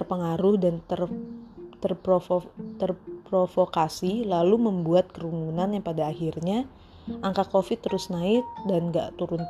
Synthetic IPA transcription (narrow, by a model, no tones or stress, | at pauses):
rpəŋaɾʊhdant̪ər | t̪ərpɾoft̪ərpɾofokasilaluməmbuat̪̚kəɾumunanjaŋpadaːhirɲa | ʔaŋkakofɪt̪ːəɾʊsnaɪt̪̚danɡaʔt̪uɾʊn